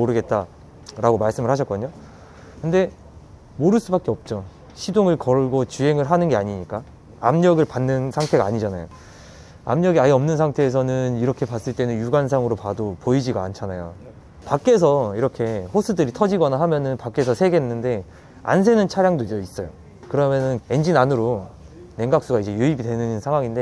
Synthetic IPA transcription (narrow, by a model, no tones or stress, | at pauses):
moɾɯɡe̞t̚t͈a | ɾaɡomaɭs͈ɯmɯɭɦaɕ̬ʰʌk͈ʌɲo | kɯnde̞ | moɾɯɭs͈ubak͈e̞ʌp̚t͡ɕ͈o | ɕʰidoŋɯɭkʌɭɡot͡ɕuɦe̞ŋɯɭɦanɯnɡe̞aɲiɲik͈a | a̰mɲʌɡɯɭpanːɯnsʰaŋtʰe̞ɡaːɲid͡ʑana̰jo̰ | a̰mɲʌɡiaiʌmnɯnsʰaŋtʰe̞ːs̬ʰʌnɯniɾʌkʰe̞pas͈ɯɭt͈e̞nɯnjuɡans̬ʰaŋɯɾopadopoid͡ʑiɡaa̰nt͡ɕʰanajo̰ | pak͈e̞s̬ʰʌiɾʌkʰe̞ɸosʰɯdɯɾitʰʌd͡ʑiɡʌnaɦamjʌnɯnpak͈e̞sʰʌsʰe̞ɡe̞nːɯnde̞ | a̰nsʰe̞nɯnt͡ɕʰaɾjaŋdois͈ʌjo | kɯɾʌmjʌnɯne̞nd͡ʑinanɯɾo | ne̞ŋɡak̚s͈uɡaid͡ʑe̞juibidwe̞nɯnsʰaŋwaŋinde